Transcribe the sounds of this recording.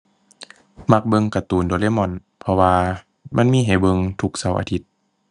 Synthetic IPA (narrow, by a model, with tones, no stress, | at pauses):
ma˧k̚bɤ˧ŋka˨˧t̪uː˨˩ndoː˨˦leː˧˥˨mɔ˧˩˨n | pʰɔ˧waː˧ | mʔa˧˥˨nmiː˧˥˨ɦa˨˩jbɤ˧ŋt̪ʰu˧˩k̚sa˧˦wʔa̰˧t̪ʰi˧˦t̪̚